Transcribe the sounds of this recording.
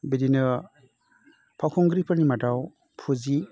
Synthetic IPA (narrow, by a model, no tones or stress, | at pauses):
bedinɐ | pʰawkʰɔŋɡɾipʰəɾnimadaw | pʰuzi